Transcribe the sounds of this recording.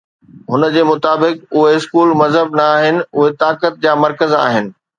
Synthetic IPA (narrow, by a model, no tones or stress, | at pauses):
ɦʊnəd͡ʑeːmʊt̪aːbɪkʊɦeɪskuːlmɐzɦəb̚nɐaːɦɪnɪ̆ʊɦet̪aːkət̪̚d͡ʑaːmɐɾkəza̰ːɦɪnɪ̆